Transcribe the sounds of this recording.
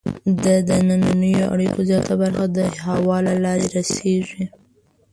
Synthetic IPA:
d̪əd̪anananəjoʔa̰ɽikozjɑt̪abaɾxad̪əɦawɑlalɑɾeɾaseʒi

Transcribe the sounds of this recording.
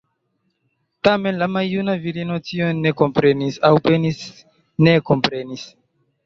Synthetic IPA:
tame̞nlamajːunaviɾino̞tionːe̞ko̞mpɾe̞nisawpenis | ne̞ko̞mpɾe̞nis

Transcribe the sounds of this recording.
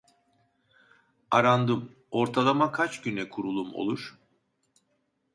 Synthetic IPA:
aɾand̪ɯm | o̞ɾt̪ʰalˠamakʰat͡ʃɟynɛkʰuɾulˠumo̞̰lˠuɾ̥

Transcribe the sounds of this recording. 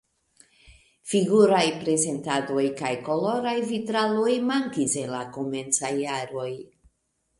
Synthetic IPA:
fiɡuɾajpɾe̞ze̞ntado̞jkajko̞lo̞ɾajvitɾalo̞jmaŋkise̞nlakome̞nt͡sajːaɾo̞j

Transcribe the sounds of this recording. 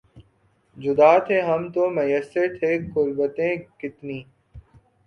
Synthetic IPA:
d͡ʒʊd̪aːt̪ʰeːɦəmt̪oːmɐjəseɾt̪ʰeːkʊɾbət̪ẽːkɪt̪niː

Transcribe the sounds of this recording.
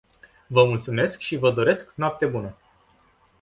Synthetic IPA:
vəmult̪sume̞skʃivəd̪o̞ɾe̞sknoap̚t̪e̞bunə

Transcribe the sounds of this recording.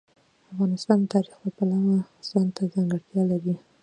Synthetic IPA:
afɣɑnɪst̪ɑnd̪ət̪ɑɾixbəpalawaz̥ɑnt̪ʰazaŋɡəɽt̪jɑlaɾi

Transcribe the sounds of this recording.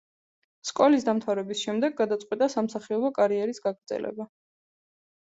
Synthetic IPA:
skʼɔlisd̪amt̪ʰavɾɛbisʃɛmd̪ɛɡːad̪at̪sʼqʼwit̪ʼasamsaχiɔbɔkʼaɾiɛɾisɡaɡɾd̪zɛ̰lɛ̰ba

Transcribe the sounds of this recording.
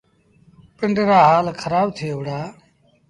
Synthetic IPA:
pɪɳɖɾaːɦaːlkʰəɾaːbt̪ʰeːʋɽaː

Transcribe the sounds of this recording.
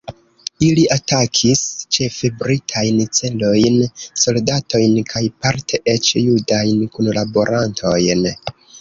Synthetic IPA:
iliʔatakʰist͡ʃe̞febɾitʰajnt͡se̞lo̞jnso̞ldatʰo̞jnkʰajpaɾtʰeʔe̞t͡ʃjudajnkunlabo̞ɾʔantʰo̞jn

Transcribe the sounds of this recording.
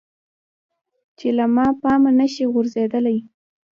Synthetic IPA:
t͡ʃelamɑpɑmanaʃiɣʊɾzed̪əlaj

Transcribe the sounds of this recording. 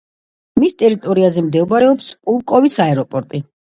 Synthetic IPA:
mist̪ʼɛɾit̪ʼɔɾiazɛmd̪ɛɔbɾɛɔpspʼulˠkʼɔvisaɛɾɔpʼɔɾt̪ʼi

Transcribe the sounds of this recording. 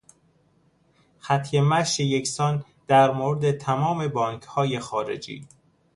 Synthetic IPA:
xæt̪ʰjemæʃejecsɒːn | d̪̥æɾmoːɾed̪et̪ʰæmɒːme̞bɒːŋkʰhɒːjexɒːɾḛd͡ʒḭː

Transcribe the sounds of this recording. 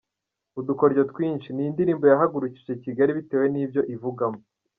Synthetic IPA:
uduko̞ɾɟotwiːnʃiniindiɾiːmbo̞jaɦaɡuɾuci̥ʒe̞ciɡaɾiβite̞ːwe̞niːbjo̞ʔivuɡamo

